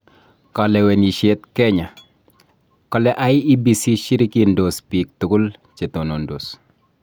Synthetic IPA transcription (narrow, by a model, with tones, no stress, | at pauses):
kɔ˨lɛ˨wɛ˨ni˨ʃe˦t̚kɛ˦ɲa˨ | kɔ˦lɛ˦ʔa˨˦ɪ˦i˦bi˨si˦ʃi˦ɾi˦ki˨ndo˨spi˨k̚tʊ˨kʊ˦lt͡ʃe˨to˨no˨ndo˨s